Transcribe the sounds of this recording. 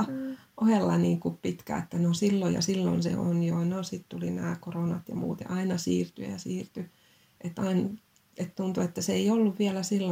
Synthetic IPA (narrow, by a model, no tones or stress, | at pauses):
ʔohelːɑniːŋkuppit̪kæ̰et̪ːænosilːojɑ̰silːo̰nsḛonjonosit̪t̪ulinæːkoronɑt̪jɑ̰mṵːt̪ḛʔɑinɑsiːrt̪y̰jɑsiːrt̪y | ʔet̪ːɑin | et̪t̪unt̪uet̪ːæseiolːuʋʋiælæsilːo